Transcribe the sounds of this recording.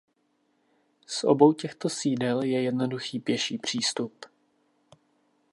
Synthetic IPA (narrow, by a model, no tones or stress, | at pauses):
sʔo̞̰bo̞wcɛxt̪o̞siːdɛljɛjɛdno̞duxiːpjɛʃiːpr̝̥iːst̪up